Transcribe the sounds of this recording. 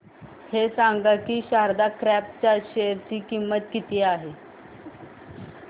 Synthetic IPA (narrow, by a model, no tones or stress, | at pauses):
hesãŋɡakiːɕaɾd̪akɾæp̚t͡ɕaɕejəɾt͡ɕiːkimːət̪kit̪iːaɦe